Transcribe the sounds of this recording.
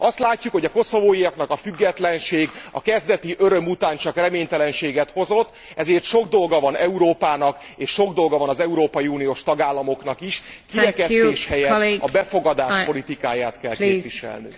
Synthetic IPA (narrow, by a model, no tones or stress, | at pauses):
ɒst̪laːcːukho̞ɟɒko̞so̞voːjijɒknɒkɒfyɡːɛt̪lɛnʃeːɡɒ̰kɛzd̪ɛt̪iʔø̞ɾø̞mut̪aːnt͡ʃɒkrɛmeːɲt̪ɛlɛnʃeːɡɛt̪ho̞zo̞t̪ː | ɛzeːrt̪ʃo̞ɡd̪o̞lɡɒvɒnɛuɾoːpaːnɒk | eːʃːo̞ɡd̪o̞lɡɒvɒnɒzɛuɾoːpɒjiuːnijoːʃt̪ɒɡaːlːɒmo̞knɒkiʃkiɾɛkɛt̪eːʃhɛjɛɒbɛfo̞ɡɒd̪aːʃo̞lit̪ikaːjaːt̪kɛlkeːviʃɛ̰lnḭ